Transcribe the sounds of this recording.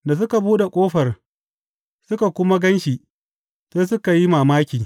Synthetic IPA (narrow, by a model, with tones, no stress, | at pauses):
da˨s̬ʊ˦ka˨buː˦ɗe˨kʷʼoː˦ɸɐ˨r | sʊ˦ka˨kʷʊ˦ma˦ɡɐ˦nʃi˨ʔ | seː˦s̬ʊ˦ka˨ji˦maː˨maː˦kʲiː˨